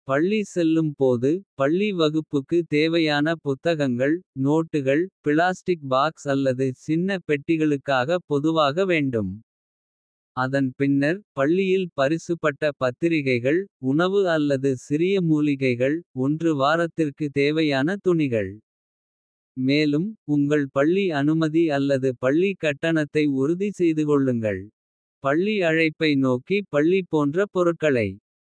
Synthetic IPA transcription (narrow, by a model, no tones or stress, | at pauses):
pɐɭːisɛlːɯmpoːðɯpɐɭːiʋɐɣɯpːɯkːɯt̪eːʋɐjaːnɐpʊt̪ːɐɣɐŋɡɐɭnoːʈːɯɣɐɭpɪlaːsʈɪk̚baːksɐlːɐðɯt͡ʃɪnːɐpɛʈːɪɣɐɭɯkːaːɣɐpɔðɯʋaːɣɐʋeːɳɖɯm | ɐðɐnpɪnːɐɾpɐɭːɪjɪlpɐɾɪsɯpːɐʈːɐpɐt̪ːɪɾɪɣɐɪɣɐɭʊɳɐʋɯɐlːɐðɯsɪɾɪjɐmuːlɪɣɐɪɣɐɭɔndrɯʋaːɾɐt̪ːɪrkɯt̪eːʋɐjaːnɐt̪ʊɳɪɣɐɭ | meːlɯmʊŋɡɐɭpɐɭːiɐnɯmɐðiɐlːɐðɯpɐɭːikːɐʈːɐɳɐt̪ːɐɪʊɾʊðisɛjðɯkɔɭːɯŋɡɐ̰ɭ | pɐɭːiɐɻɐɪpːɐɪnoːkipɐɭːipoːndrɐpɔɾɯʈ̚kːɐɭɐɪ